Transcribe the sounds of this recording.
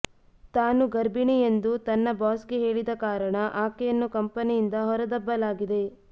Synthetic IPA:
t̪aːnuɡɐɾbiɳijend̪ut̪ɐnːɐbaːskeɦe̞ːɭid̪ɐkaːɾɐɳɐʔaːkejɐnːukɐmpɐnijind̪ɐɦɔɾɐd̪ɐbːɐlaːɡid̪e̞

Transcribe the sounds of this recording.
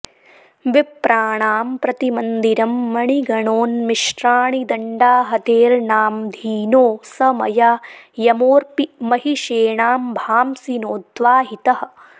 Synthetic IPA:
ʋipɾaːɳaːmpɾɐt̪imɐnd̪iɾɐmːɐɳiɡɐɳoːnmiʃʈɾaːɳid̪ɐɳɖaːɦɐt̪eːɾnaːmd̪ʱiːnoːsɐmɐ̰jaːjɐmoːɾpimɐɦiʃeːɳaːmbʱaːmsinoːd̪ʋaːɦit̪ɐɦɐ̆

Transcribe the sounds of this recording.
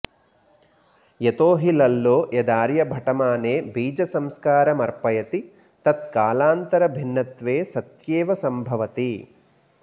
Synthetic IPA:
jet̪oːɦilɐlːoːjɐd̪aːɾjɐbʱɐʈɐmaːneːbiːd͡ʒɐsɐmskaːɾɐmɐɾpɐjɐt̪i | t̪ɐt̪̚kaːlaːnt̪ɐɾɐbʱinːɐt̪ʋeːsɐt̪jeːʋɐsɐmbʱɐʋɐt̪i

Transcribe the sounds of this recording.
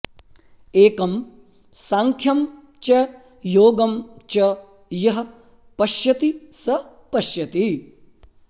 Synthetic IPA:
eːkɐm | saːŋkʰjɐm | t͡ʃɐ | joːɡɐmt͡ʃɐ | jɐɦɐ | pɐʃjɐt̪isɐ | pɐʃjɐt̪i

